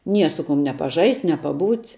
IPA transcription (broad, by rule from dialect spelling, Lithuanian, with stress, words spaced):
ˈnʲiɛ ˈsʊ ˌkʊm nʲɛ pɐˈʒɐɪsʲtʲ nʲɛ pɐˈbuːtʲ